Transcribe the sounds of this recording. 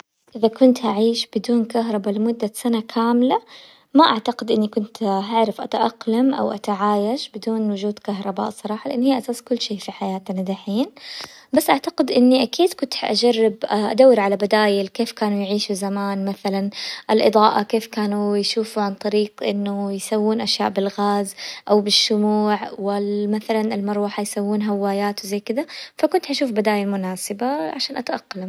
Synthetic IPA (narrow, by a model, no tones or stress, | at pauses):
ʔɪðakʊnt̪haʕiːʃb̥ɪd̪uːnkaɦɾˤɑbalɪmʊd̪ːasanakʰaːmla | maʔaʕt̪aqɪd̪ʔɪnːikʊnt̪ɦaʕɾɪfʔa̰t̪aʔɑqlamʔa̰wʔat̪aʕaːjaʃbɪd̪uːnwʊd͡ʒuːd̪kaɦɾˤɑba̰ːʔsˤɑɾˤɑːħɑlɪʔanːhiːʔasaːskʊlːʃiːfiħajaːt̪nad̪aħiːn | basːʔaʕt̪ḁqɪd̪ʔɪnːiʔakiːd̪kʊnt̪ħʔad͡ʒarːɪbʔad̪awːɪɾʕalabad̪aːjɪlkeːfkaːnujʕiːʃuzamaːnmaθalanʔɪlʔɨd̪ˤɑːʔakeːfkaːnujʃuːfuʕant̪ˤɑɾiːqʔɪnːʊjsawːuːnʔaʃjaːʔbɪlɣaːzʔawbɪʃːʊmuːʕwɪlmaθalanɪlmɑɾˤuħajsawːuːnɦawːaːjaːt̪wɪzajkɪd̪afakʊnt̪ʔaʃuːfbad̪aːjalmʊnaːsɪbaʕaʃaːnʔat̪ʔaqːɑlam